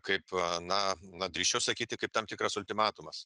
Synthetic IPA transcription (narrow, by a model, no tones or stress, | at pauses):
kɐɪpnɐnɐd̪ʲɾʲiːʃt͡ʃʲɛʊsɐkʲiːt̪ʲɪkɐɪp̚t̪ɐmt̪ʲɪkɾɐsʊlʲt̪ʲɪmɑːt̪ʊmɐs